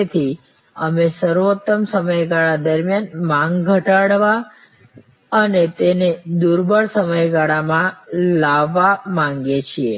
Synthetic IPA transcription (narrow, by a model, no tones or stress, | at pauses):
et̪ʰi | əmesəɾʋot̪ːəmsəməjɡaɭad̪əɾmjanmãŋɡɡʱəʈaɽʋa | ənet̪ened̪uɾbʱəɭsəməjɡaɭamãlaʋːamãŋɡet͡ʃʰie